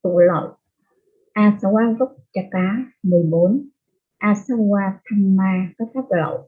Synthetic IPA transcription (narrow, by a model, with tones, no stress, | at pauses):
t̪ṵ˧˨lə̰˧˨ | ʔaː˧sa˧waː˦˥zʊ˦˥k͡p̚t͡ɕa˧˩kaː˨˦mɨ˨˩əjɓo˨˦n | ʔaː˧sa˧waː˧t̪ʰa˧mmaː˧ka˦t̪ʰaː˦˥p̚ːlɔ̰˧˨w